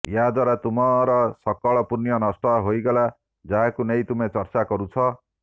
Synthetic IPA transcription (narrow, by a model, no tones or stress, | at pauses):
jad̪waɾat̪umʌɾʌsʌkːʌɭʌpunjʌnʌsʈʌɦojɡʌla | d͡zaɦakunejt̪umet͡sʌrt͡sakʌɾut͡sʰʌ